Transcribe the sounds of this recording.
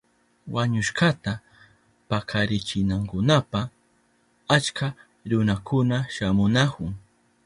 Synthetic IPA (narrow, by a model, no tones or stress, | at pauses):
waɲʊʃkat̪a | pakʰaɾɪt͡ʃɪnaŋkʊnapa | at͡ʃka | ɾʊnakʊnaʃamʊnakʊŋ